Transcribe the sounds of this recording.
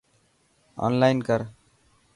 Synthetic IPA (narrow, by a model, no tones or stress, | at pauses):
ɔ̰nlajnkʌɾ